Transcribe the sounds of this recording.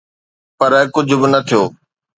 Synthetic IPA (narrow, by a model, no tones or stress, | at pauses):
pɐɾkʊd͡ʑʱʊbɪnɐt̪ʰijoː